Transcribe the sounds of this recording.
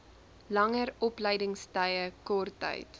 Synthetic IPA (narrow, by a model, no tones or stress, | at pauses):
lɐŋəɾɔpləjdəŋstəjəkɔrtːə̰jt